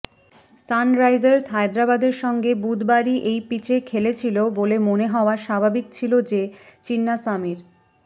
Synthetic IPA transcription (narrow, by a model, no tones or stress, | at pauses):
sanɾajd͡ʑaɾsɦajd̪ɾabad̪eɾʃɔŋɡebud̪baɾiʔejpit͡ɕʰekʰelet͡ɕʰilobolemoneɦɔoaʃabʱabikt͡ɕʰilod͡ʑet͡ɕinːasamiɾ